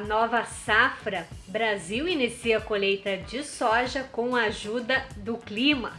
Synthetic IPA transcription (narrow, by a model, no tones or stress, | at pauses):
nɔvɐsafɾɐbɾaziwinisiɐkolejt̪ɐd͡ʒɪsɔʒɐkõw̃ɐaʒud̪ɐd̪ʊklĩmɐ̰